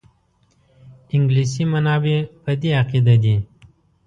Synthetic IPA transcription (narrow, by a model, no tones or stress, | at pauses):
ɪŋɡlisimanɑːbepad̪iaqid̪ad̪i